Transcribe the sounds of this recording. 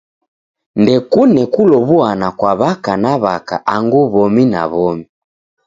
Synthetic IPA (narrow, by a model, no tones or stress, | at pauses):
ndɛkunɛkulɔβuanakwaβakanaβaka̰ʔaŋɡuβɔmina̰βɔmi